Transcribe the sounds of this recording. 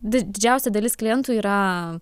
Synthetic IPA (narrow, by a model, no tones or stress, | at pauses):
d̪ʲɪd̪ʲɪd͡ʒʲɛˑʊsʲɛd̪ɐlʲɪsklʲɪjɛnt̪uːiːɾɐ